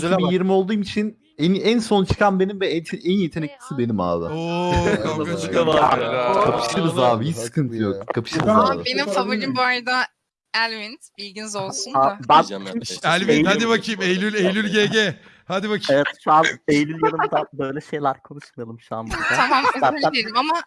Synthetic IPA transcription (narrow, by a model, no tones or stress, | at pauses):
zelʲabijiɾmio̞lˠd̪uːmit͡ʃʰin | ɛnænso̞nt͡ʃʰɯ̥kʰanbe̞nimbɛɛnje̞t̪ʰe̞nɛclʲi̥sibe̞nima̰ːd̪a̰o | askalaakʰapʰɯ̥ʃɯɾzaːbiɦit͡ʃsɯ̥kʰɯnt̪ʰjoumkʰapʰɯ̥ʃɯb̪aabenimfabuimbajd̪a | ælʲvinbilʲɟinzo̞lˠsunabænʰiælʲvijhad̪ibakʰɯjmejlʲylʲejlʲylʲɟeɟe | had̪ibakʰevɛt̪ʃuanejlʲylʲjalˠɯmd̪abø̞jlʲɛʃe̞jlʲæɾkʰo̞nuʃmajalˠɯmʃanbuɾaamambææelʲimama